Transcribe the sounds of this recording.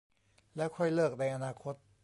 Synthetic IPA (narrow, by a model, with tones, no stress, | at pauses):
lɛ˦˥kʰɔ˧˩jlɤː˥˩k̚na˧jʔa˧naː˧kʰo˦˥t̪̚